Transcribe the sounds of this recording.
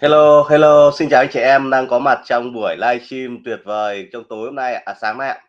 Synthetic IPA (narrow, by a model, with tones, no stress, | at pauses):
he˧lo˧he˧lo˧si˧nt͡ɕaː˨˩ʔa˧˦ŋt͡ɕɛ̰˧˩ʔɛ˧mɗaː˧ŋkɔ˨˦ma˨˩t̚t͡ɕɔ˧wŋ͡mɓu˧˩əjlaː˧jt͡ɕi˧mt̪wi˨˩ət̚vəː˨˩jt͡ɕɔ˧wŋ͡mt̪o˨˦jho˧ŋ͡mna˧jʔa̰ː˨ʔaː˨˩saː˨˦ŋna˧˩aː˨